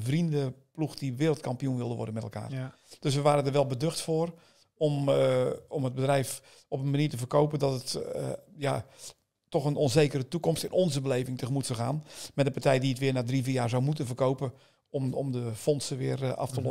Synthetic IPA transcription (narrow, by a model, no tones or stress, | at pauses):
vrindəpluxdiʋɪːɾəlˠt̚kɑmpijunʋɪlˠdəʋɔ̰rdənmɛtəlˠka̰ːr | d̥øs̬ʋəʋaːɾədəɹʋɛlˠbədøxtfoːr | ɔm | ɔməd̚bədrɛjf | ɔpənmaniːtəfərkowpəndɔtət | ja | tɔxənɔnzeːkərətukɔmstɪnʔɔnzəbəleːvɪŋtəxəmutsəxaːnmɛtdənpartɛjdiətʋɪənaːdriviːjaːɹzawmutənfərkowpə | ɔmɔmdəfɔnsəʋɪərɑ̰ftəlɔ